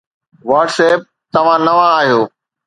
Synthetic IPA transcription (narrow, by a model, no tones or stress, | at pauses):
ʋaːʈseːp̚t̪ɐʋ̤ãnɐʋãaːɦijoː